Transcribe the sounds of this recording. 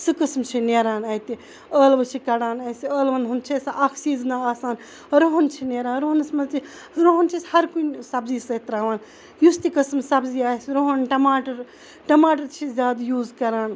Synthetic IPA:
sɨkɨsmt͡ʃʰineːɾaːnɐjt̪i | əːlʋɐt͡ʃʰikɐɽaːnɐsiəːlʋɐnɦunt͡ʃʰesʔakʰsiːznaaːsaːn | ɾoɦont͡ʃʰineːɾaːnɾoɦnɐsmɐt͡ʃi | ɾoɦɐnt͡ʃʰisʲhɐɾkunsɐbzisɐt̪ɾaːʋaːn | just̪ikɐsmsɐbziaːsɾoɦonʈɐmaːʈɐɾ | ʈɐmaːʈ̬ɐɾt͡ʃʰizʲjaːd̪juːzkɐɾaːn

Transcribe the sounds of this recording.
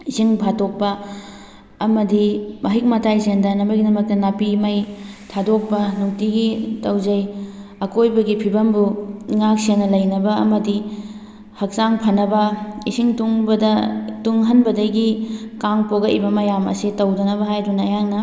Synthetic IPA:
isiŋbʱatok̚pɐː | mɐdimɐɦik̚mɐtʰajzendɐnɐmɐjɡinɐmɐk̚tɐnapimɐjtʰadok̚pɐnuŋtiɡitɐwzɐjɐkojbɐɡipʰibɐmbuŋak̚senːɐlɐjnɐbɐɐmɐdi | hɐk̚saŋpʰɐnɐbɐisiŋtuŋbɐdɐtuŋɦɐnbɐdɐɡikaŋpoɡɐʔḭbɐmɐjamɐ̰sitɐwdɐnɐβɐɦajdunɐːjaŋnɐ

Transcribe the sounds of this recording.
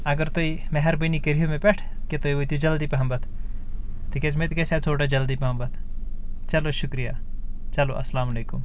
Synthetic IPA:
ɐɡəɾt̪oimɛɦɛɾbənikəɾijomẽpɛʈʰ | ket̪oːiʋot̪jud͡ʒɐld̪iːpɐɦɐmbɐt̪ʰ | t̪ʰikesmet̪kesaːt̪ʰoːʈad͡ʒɐld̪ipɐɦɐmbɐt̪ʰ | t͡ʃɐloʃʊkɾija̰ː | t͡ʃɐlo̰ʔɐ̰slaːmɐleːkum

